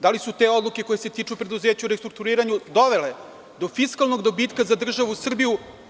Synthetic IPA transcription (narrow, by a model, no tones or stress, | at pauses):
d̪alisut̪eo̞d̪lˠuke̞ko̞je̞set̪iːt͡ʂupɾe̞d̪uzeːt͡ɕauɾest̪ɾuk̚t̪uɾiːɾaɲud̪o̞ʋele | d̪o̞fiskalˠnoɡd̪o̞biːt̪kazad̪r̩ʒaʋusr̩biju